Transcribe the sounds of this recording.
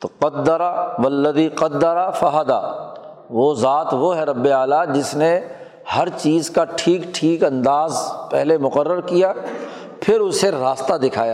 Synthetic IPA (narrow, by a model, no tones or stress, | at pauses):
t̪oqɐt̪ːəɾaʋɐlːəd̪iqɐt̪̚ːəɾafɐɦad̪a̰ | ʋoːzaːt̪ʋoɦɛɾɐbːeaːlad͡ʒɪsne | hɐɾt͡ʃiːzkaʈʰiːkʈʰiːkɐ̃nd̪aːzpɛ̰ɦlemʊqəɾːəɾkija | pʰɪɾʊseɾaːst̪ad̪ɪkʰaːjaː